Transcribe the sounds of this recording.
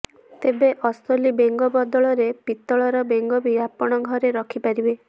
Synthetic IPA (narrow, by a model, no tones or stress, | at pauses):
t̪ebeʔɔst̪ɔlibeŋɡɔbɔd̪ɔɭɔɾepit̪ːɔɭɔɾɔbeŋɡɔbijapɔɽ̃ɔɡʱɔɾeɾɔkʰipaɾibe